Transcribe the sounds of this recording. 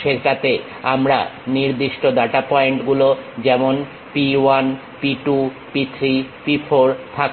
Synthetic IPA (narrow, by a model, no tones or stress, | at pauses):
ʃeɾɾat̪e | amɾa̰niɾd̪iʃʈod̪aʈapɔeɳʈɡulod͡ʑɛmon | piwan | piʈu | pit̪ʰɾipifʰoɾt̪ʰak